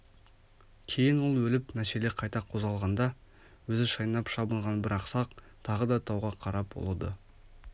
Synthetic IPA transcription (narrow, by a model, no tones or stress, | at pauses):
kʲʰe̞jɪnwo̞lˠwɵlɪpmæʃeleqʰɑjt̪ɑqʰo̞zʁɑlˠʁɑnd̪ɑ | wɵzɪʃɑjnɑpʃɑbəɴʁɑnbɪɾɑqsɑq | t̪ʰɑʁəd̪ɑt̪ʰɑwʁɑqʰɑɾɑp̚bo̰lˠɑd̪ə